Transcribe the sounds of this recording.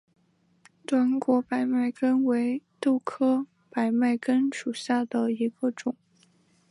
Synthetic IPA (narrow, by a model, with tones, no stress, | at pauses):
t̪wa˧˥nkwɔ˧˥pa˨˩ɪma˥˩ɪkə˥nwe˧˥ɪt̪o˥˩ʊkʰɤ˥ | pa˨˩ɪma˥˩ɪkə˥nʂu˨˩ɕja˥˩d̪ə˩i˧˥ɡə˧ʈ͡ʂʊ˨˩˦ŋ